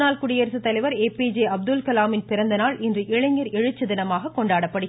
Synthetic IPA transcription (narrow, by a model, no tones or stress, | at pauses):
naːlkʊɽɪjɐɾsɯt̪ːɐlɐɪʋɐɾeːpiːd͡ʒeɐb̚d̪ɯlkɐlaːmɪnpɪɾɐnd̪ɐnaːlʔɪndrɯʔɛɭɐŋɐɾɛɻɯt͡ʃːɯd̪ɪnɐmaːɣɐkːɔɳɖaːɽɐpːɐɽɯ